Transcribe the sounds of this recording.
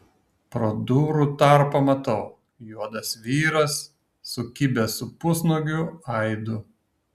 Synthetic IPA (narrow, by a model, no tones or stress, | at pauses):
pɾod̪uːɾut̪ɑˑɾpɐmɐt̪ɐʊ | juɔd̪ɐsʋʲiːɾɐsː | ʊkʲɪbʲɛsʊpʊsnuɡʲʊɐɪd̪ʊ